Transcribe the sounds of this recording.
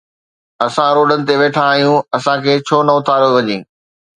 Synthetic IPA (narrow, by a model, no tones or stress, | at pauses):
ɐsãɾoːɖənɪ̆t̪eʋeːʈʰãːɦijũɐsãkʰeːt͡ɕʰoːnɐʊt̪ʰaːɾjoʋɐɲĩː